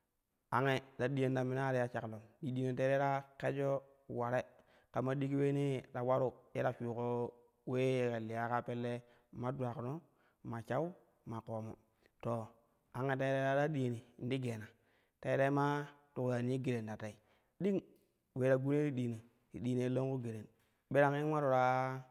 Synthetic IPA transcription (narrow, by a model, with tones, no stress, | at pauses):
a˨ŋe˦da˨ɗi˦je˦nda˨mi˦n˦a˦ɾi˦ja˦t͡ʃa˨klo˨ndi˨ɗi˨ne˨te˦e˦ɾa˦ke˦d͡ʒo˦ | wa˨ɾe˦ | ka˨ma˦ɗi˦ki˦we˦ni˦ɾa˨wa˦ɾu˦je˦ɾa˨fu˨ko˦ | we˦ke˨li˨ja˦ka˦pe˦lːe˦ | ma˦du˨a˨kno˦ | ma˨t͡ʃa˦u˦ | ma˨ko˨mo̰˨ | to˨ | a˨ŋa˨te˦ɾe˦ɾa˦ɾa˦ɗi˨ni˨n˦di˦ɡe˨na˨ | te˨˦ɾe˦ma˦tu˨kɾa˨n˦i˦ɡe˨ɾe˨n˨da˨ta˨i˨ | ɗi˦ŋ | we˨˦ɾa˨ɡu˦n˦e˦ɾi˦ɗiː˨ne˨ | ɾḭ˨ɗi˨ne˨˦lo˦ŋku˦ɡe˨ɾe˨n | ɓe˦ɾa˦ŋi˦wa˦ɾu˨ɾa˦